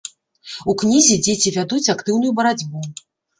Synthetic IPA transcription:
uknʲizʲid͡zʲet͡sʲivʲad̪ut͡sʲakt̪ɨwnujubɐɾad͡zʲbu

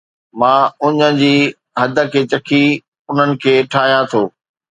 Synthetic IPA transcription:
mãːʊɲə̆d͡ʑiː | ɦɐd̪ʱə̆kʰeːt͡ɕɐkʰi | ʊn̤ənɪ̆kʰeːʈʰaːɦijãt̪ʰoː

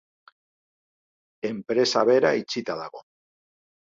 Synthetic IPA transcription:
empɾe̞saβeɾait͡ʃit̪að̞a̰ɣo

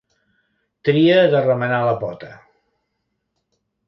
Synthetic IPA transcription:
t̪ɾiəðərəmənaləpɔt̪ə

